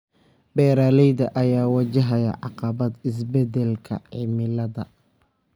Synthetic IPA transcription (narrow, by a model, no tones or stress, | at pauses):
bɛːɾaːlɛjðɐʔɐjaːwɐt͡ʃɐɦɐjɐ̰ʕɑ̰qɑβɐd̪ɪs̬bɛd̪ɛlkʰɐ̰ʕɪmɪlɐðɐ